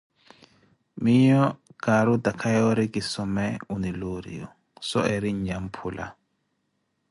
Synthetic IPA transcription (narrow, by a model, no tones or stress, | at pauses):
miɲɔɡ̥aɾud̪akʰajɔɾiɡisɔmɛuniluɾḭjɔ̰ | sɔ̰ɛɾiɲd͡ʒampʰulʔa̰